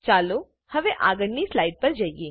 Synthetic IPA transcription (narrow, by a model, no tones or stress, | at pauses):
t͡ʃaːlo | hɐʋẽʔa̰ːɡəɽnislaːɪɖ̚pɐɾd͡ʒaːieː